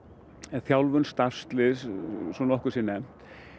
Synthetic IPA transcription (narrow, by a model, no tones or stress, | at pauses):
ɛθjawlvʏnst̪ar̥st̪lɪssɔnɔhkʏsiːnɛm̥